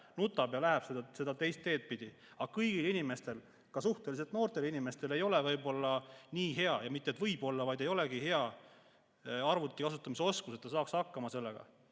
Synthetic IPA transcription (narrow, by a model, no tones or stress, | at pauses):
nut̪ːˑɑbjɑlæɦæb̥sed̪se̞d̪̥ɑt̪e̞jst̪ːe̞ːt̪̚pid̪̥i | ɑ̥ɑkɤjɡilinime̞st̪e̞l | kɑsuht̪e̞lis̬e̞lt̪no̞ːrt̪e̞linime̞st̪e̞le̞jo̞levɤjbo̞lːɑniːɦe̞ɑjɑmit̪ːet̪vɤjbo̞lːɑvɑjd̪̥e̞jo̞le̞ɡihe̞ɑ | ɑrvut̪ˑːikɑsut̪ːˑɑmiseo̞skuse̞t̪ːɑsɑːkshɑkːɑmɑse̞lːeɡ̥ɑ̰